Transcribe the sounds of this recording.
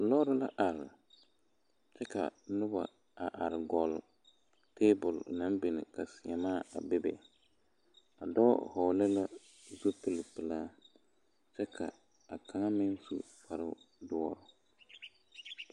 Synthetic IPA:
lɔ˦ɾʊ˦la˦ʔa˨ɾɪ˨ | t͡ʃɛ˦ka̰˨nʊ˦ba̰˨ | a˨ʔa˨ɾɪ˨ɡɔ˨l | teː˦bʊ˨lna˦mbɪ˨nɪ̰˨ka˨sɪ˨a˨maː˦˨a̰˨bɪ˦bɛ̰˨ | a˨dɔ˦hɔ˨lɛ˦la˦ | zu˦pɨ˦lɪ˨pɨ˨laː˦ | t͡ʃɛ˦kʰa̰˨ | a˨kʰa˨ŋa˦mɪ˦nsṵ˦ | fa˨ɾɨ˦dʊ˦ɔ˦ɾʊ˨

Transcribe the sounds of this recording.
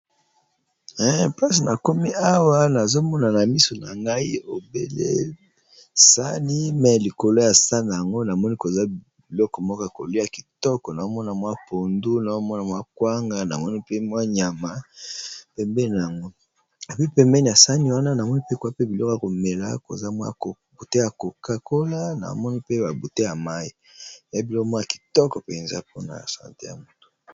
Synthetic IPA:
ɛ˦pa˦si˨na˨ko˦mi˦a˦wa˦na˨zo˦mɔ˦na˨na˨mi˦so˨na˨ŋɡa˦i˦o˨bḛ˦lḛ˦ | sa˦ni˦mɛ˨li˨ko˨lo˦ja˨sa˦na˨ja˨ŋɡo˦na˨mɔ˦ni˦ko˨za˦ | bi˨lɔ˦kɔ˨mɔ˦kɔ˦ja˨ko˨li˦a˨ki̥˨tɔ˦kɔ˨na˨o˦mɔ˦na˨mwa˦po˨ndu˦na˨zo˦mɔ˦na˨mwa˦kwa˦ŋɡa˦na̰˨mɔ˦ni˦pe˦mwa˦ɲa˨ma˨ | pɛ˨mbɛ˦˨na˨ja˨ŋɡo˦ | e˨pi˦pɛ˨mbɛ˦ni˨a˨sa˦ni˦wa˦na˦na˨mɔ˦ni˦pe˦kwa˦pe˦bi˨lɔ˦ka˨ko˨me˨la̰˦ko̰˨za˦mwa̰˦˨o˨ | bu˨te˦ja˨ko˨ka˦ko˦la˦na̰˨˦mɔ˦ni˦pe˦ba˨bu˨te˦ja˨ma˦i˦˨ | a˦bi˨lɔ˦kɔ˦mwa˦a˨ki̥˨tɔ˦kɔ˨pe˨nza̰˦po˦na̰˨sa̰˨ntḛ˦ja̰˨mo˦to̥˨

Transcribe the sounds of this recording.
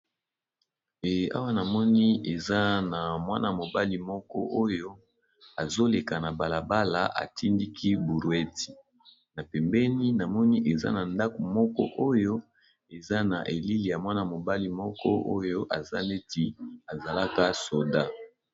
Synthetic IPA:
ɛ˨a̰˦wa˦na˨mɔ˦ni˦e˨za˦na˨mwa˦na˨mo˨ba˦li˨mɔ˦kɔ̰˦ʔo˦jo˦ | a˨zo˦le˨ka˨na˨ba˨la˨ba˦la̰˨ʔa̰˨tʰi˦ndi˦kʰi˦bu˨ɾwɛ˦ti̥˨ | na˨pɛ˨mbɛ˦ni˦na˨mɔ˦ni˦ʔe˨za̰˦na˨nda˦ko˨mɔ˦kɔ̰˦ʔo˦jo˦ | e˨za˦na˨ʔe˨li˦li˨ja˨mwa˦na˨mo˨ba˦li˨mɔ˦kɔ̰˦ʔo̰˦jo˦ʔa˨za̰˦ne˦ti˦a˨za˨la˦ka˦so˨da˦

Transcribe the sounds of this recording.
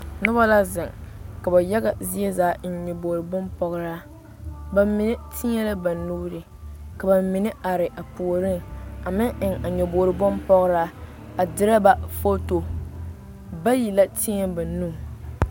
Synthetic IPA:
nʊ˦ba˦la˦zɪ˨ŋka˨ba˨jɛ˦ɡa˨zi˦ɛ˦zaː˨˦n̩˦ɲɛ˨boː˨ɾɨ˨bɔ˦mpɔ˨ɣɾa˦ | ba˨mːɪ˨nɪ˦tʰi˦ɲɛ˦la˦ba˨nːuː˦ɾɪ˨ | ka˨ba˨mɪ˨nɪ˦a˨ɾɪ˨ʔa˨pu˨o˨ɾɪ˦ŋa˨mɪ˦ŋʔɪ˨ŋa˨ɲɛ˨boː˨ɾɨ˨bɔ˦mpɔ˦ɣɾa˦ | a˨dɪ˦ɾa˦ba˨fo˦to˨ | ba˦ji˨la˦ti˦ɲɛ˦ba˨˦nuː˦˨

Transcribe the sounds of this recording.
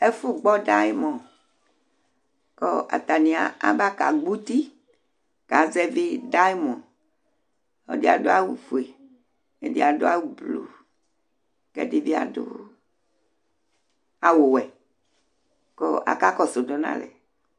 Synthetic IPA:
e˦fu˦ɡ͡bɔ˦da˦jmɔ̃˨n | kɔ˦ʔa̰˨t̪a˨nĩ˨a̰˨a̰˦ba˦ka˨ɡ͡bu˦t̪i˦ | ka˨zɛ˦vi˦da˦jmɔ̃˨n | ɔ̰˦di˦a̰˨do˦a˦wu˨fu˨e˨ | e˦di˦a˨do˦a˦wu˨blṵ˨ | kɛ̰˦di˦vi˦a̰˨do̰˦ | a˨wo˨wɛ˨ | kɔ˦ʔa̰˨ka˦kɔ˦so˨do˨nã̰˦lɛ̰˨

